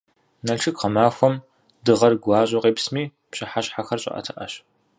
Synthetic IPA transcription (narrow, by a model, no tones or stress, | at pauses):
nɐʈ͡ʂʰɨkqɐmaːxʷɔm | dɨʁɐrɡʷɑːɕʼʊqeːpsmiː | pɕɐħaɕħaxɐrɕʼɐ̰ʔɐ̰tʰɐʔɐ̰ɕ